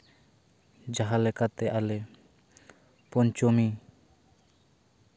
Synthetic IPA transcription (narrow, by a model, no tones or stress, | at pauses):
d͡ʒaɦalekat̪eʔale | pɔnt͡ʃomi